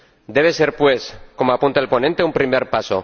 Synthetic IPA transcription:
d̪e̞β̞ese̞ɾpwe̞sko̞moapũnt̪aelpo̞nẽnt̪eumpɾimeɾpaso̰

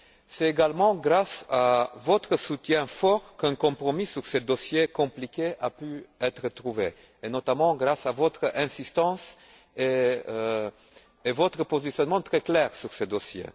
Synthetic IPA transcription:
sɛt̪eɡalmɑ̃ɡʁasavɔt̪χəsut̪jɛ̃fɔʁkɛ̃kɔ̃pχɔmisyʁsed̪ɔsjekɔ̃plikʲeʔapyɛt̪χət̪χuve | enɔt̪amɑ̃ɡʁasavɔt̪χɛ̃sist̪ɑ̃s | e | vɔt̪χəpozisjɔnmɑ̃t̪χɛklɛʁsyʁsed̪ɔsjḛ

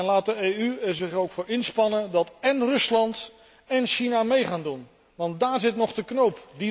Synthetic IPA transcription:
ɛnlaːt̚dəeyɛɹzɪχowkfʊːɹɪnspɑnəndɑtɛnrɵslɑnt | ɛnʃinamejχaːndun | ʋɑnt̚daːɹzɪtnɔχdəknowpdi

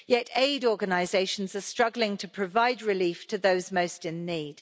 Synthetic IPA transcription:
jɛteɪdɔːɡənaɪzeɪʃə̃nzəstɹ̥ʌɡlɪ̃ŋtʰəpʰɹ̥əvaɪdɹɪliˑftʰəðəʊzməʊstɪ̃nːiːd̥

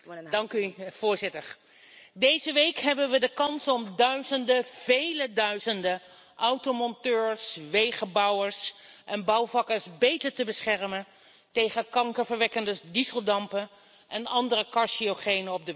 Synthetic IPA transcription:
dɑŋkyv̥ʊːɹzɪtəɹ | dejzəʋejkɦɛbənʋədəkɑnsɔmdœɥzəndəv̥ejlədœɥzəndə | ʔɑwtomɔntøːɹsʋejχəbɑwəɹsʔɛnbɑwvɑkəɹsbejtəɹtəbəsχɛrmən | tejχəkɑŋkəɹvəɹʋɛkəndədizəlˠdɑmpən | ʔɛnɑndərəkɑɹʃioχejnəɔb̚də

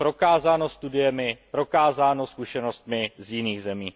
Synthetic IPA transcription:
pɾo̞kaːzaːno̞st̪udɪjɛmɪpɾo̞kaːzaːno̞skuʃɛno̞st̪mɪzjɪniːɣzɛmiː

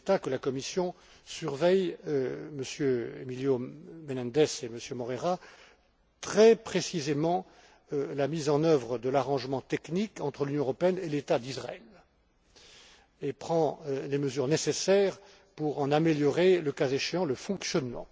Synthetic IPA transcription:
t̪akəlakɔmisjɔ̃ | syʁvɛj | məsjøḛmiljomenɛ̃d̪ɛseməsjømɔʁeʁa | t̪χɛpχesizemɑ̃ | lamizɑ̃nœvʁəd̪əlaʁɑ̃ʒmɑ̃t̪ɛknikɑ̃t̪χəlynjɔ̃əʁɔpeɛnelet̪ad̪isʁaɛl | epχɑ̃leməzyʁnesesɛʁ | puʁɑ̃nameljɔʁeləkazeʃeɑ̃ləfɔ̃ksjɔnmɑ̰̃

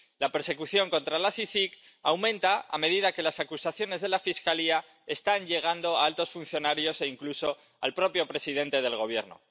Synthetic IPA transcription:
lape̞ɾse̞kuθjo̞ŋkõ̞nt̪ɾalaθifik | awmẽ̞nt̪aa̰me̞ð̞iðake̞lasakusaθjo̞ne̞zðe̞lafiskalia | e̞st̪aɲʎe̞ɣ̞and̪o̞aalt̪o̞sfun̟θjo̞naɾjo̞se̞iŋkluso̞ | a̰lpɾo̞pjo̞pɾe̞siðe̞nt̪e̞ð̞e̞lɣo̞β̞je̞̰ɾno̞̰

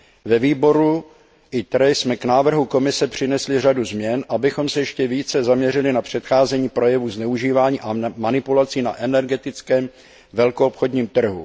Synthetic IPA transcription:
vɛviːbo̞ɾu | ʔɪt̪ɾɛjsmɛknaːvr̩ɦuko̞mɪsɛpr̝̥ɪnɛslɪr̝aduzmɲɛnʔabɪxo̞msɛjɛʃcɛviːt͡sɛzamɲɛrɪlɪnapr̝̥ɛt̪xaːzɛɲiːpɾo̞jɛvuznɛuʒiːvaːɲiːʔamanɪpulat͡siːnaʔɛnɛɾɡɛt̪ɪt͡skɛːm | vɛlkoopxo̞dɲiːmt̪r̩ɦṵ

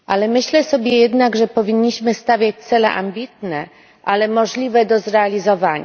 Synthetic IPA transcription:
ʔalɛmɘɕlɛsɔbʲjɛjɛd̪naɡʐɛpɔvʲiɲːiɕmɘst̪avʲjat͡ɕt̪sɛlɛ̰ʔa̰mbʲit̪nɛ | ʔalɛmɔʐlʲivɛd̪ɔzɾɛalʲizɔvaɲa

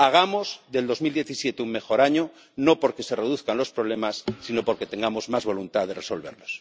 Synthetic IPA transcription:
aɣ̞amo̞zðeld̪o̞zmild̪je̞θisje̞t̪eumme̞xo̞ɾaɲo | no̞po̞ɾke̞se̞reðuθkanlo̞spɾo̞β̞le̞masːino̞po̞ɾke̞t̪ẽ̞ŋɡamo̞zmazβo̞lunt̪aðereso̞lβe̞ɾlos

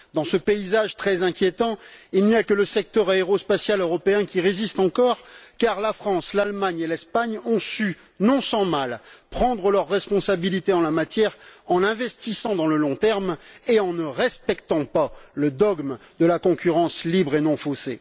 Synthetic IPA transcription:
d̪ɑ̃səpeizaʒt̪χɛzɛ̃kʲjet̪ɑ̃ilnijakələsɛk̚t̪œʁaeʁospasjaløʁɔpeɛ̃kʲiʁezist̪ɑ̃kɔʁkaʁlafχɑ̃slalmaɲelɛspaɲɔ̃sy | nɔ̃sɑ̃malpχɑ̃d̪ʁəlœʁːɛspɔ̃sabilit̪eɑ̃lamat̪jɛʁɑ̃lɛ̃vɛst̪isɑ̃d̪ɑ̃ləlɔ̃t̪ɛʁmeɑ̃nəʁɛspɛkt̪ɑ̃paləd̪ɔɡmd̪əlakɔ̃kʲyʁɑ̃slibʁenɔ̃fosḛ

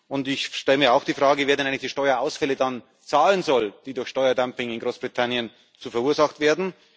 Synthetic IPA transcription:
ʔʊntɪçʃtɛləmiːɐaʊxd̥iːfʁ̥aːɡəveːɐdɛnaɪŋɪçd̥iːʃtɔʏɐʔaʊsfɛlədan | t͡saːlənzɔld̥iːdʊɐçʃtɔʏɐdampɪŋɪnɡʁoːsb̥ʁitʰanjən | t͡suːfɛɐuːɐzaxtv̥eːɐdn̩

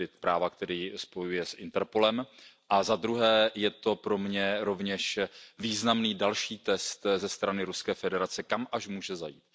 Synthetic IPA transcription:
ɪt̪pɾaːvakt̪ɛɾiːspo̞jujɛsʔɪnt̪ɛɾpo̞lɛmʔazad̪ɾuɦɛːjɛt̪o̞pɾo̞mɲɛɾo̞vɲɛʃviːznamniːdalʃiːt̪ɛst̪zɛst̪ɾanɪɾuskɛːfɛdɛɾat͡sɛkamʔaʃmuːʒɛzajiːt̪

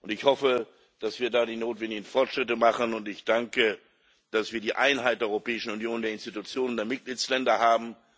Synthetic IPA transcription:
ʔʊntɪçhɔfə | d̥asv̥iːɐdaːɾiːnoːtv̥ɛndɪɡn̩fɔɐtʃʁ̥ɪtəmaχənʊntɪçd̥aŋkə | d̥asv̥iːɐdiːʔaɪnɦaɪt̚d̥eːɐɔʏʁopɛːɪʃn̩unjoːndeːɐɪnstitut͡sjoːnəndeːɐmɪt̚ɡ̥liːt͡slɛndɐhaːbm̩

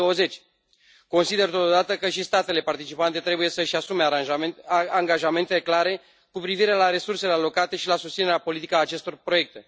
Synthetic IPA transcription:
oəze̞t͡ʃʲ | ko̞nsid̪e̞rt̪o̞t̪od̪at̪əkəʃist̪at̪e̞le̞part̪it͡ʃipant̪e̞t̪ɾe̞buje̞səʃasume̞a | aŋɡaʒame̞nt̪eeklaɾe̞ | kupɾiviɾe̞laɾe̞surse̞lealo̞kat̪e̞ʃilasust̪sine̞ɾeapo̞lit̪ikaːt͡ʃe̞st̪o̞rpɾoje̞k̚t̪e̞

